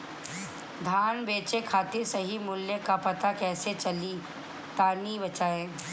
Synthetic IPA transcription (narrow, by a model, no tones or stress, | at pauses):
d̪ʱaːnbeːt͡ʃekʰaːt̪esɐɦimʊljəkapɐt̪akɛːset͡ʃɐli | t̪aːnibɐt͡ʃaːẽː